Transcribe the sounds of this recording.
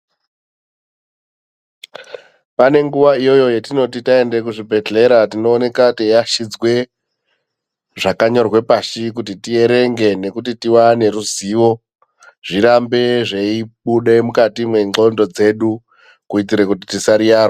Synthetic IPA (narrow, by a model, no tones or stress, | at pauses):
pane̞ŋɡuʋaijo̞jo̞jetino̞titae̞nde̞k̬uʐibʱe̞ɮe̞ɾatino̞ːne̞katejaʃid͡zwe̞ | ʐakaɲo̞rwe̞paʃikutitie̞ɾe̞ŋɡe̞ne̞kutitiwane̞ɾuziʋo̞ | ʐ̥iɾambe̞ʐeiɓuɗe̞mukatimwe̞ŋ͡ǃo̞ndo̞d͡ze̞ɗu | kuit̬iɾe̞kutitisaɾijaːro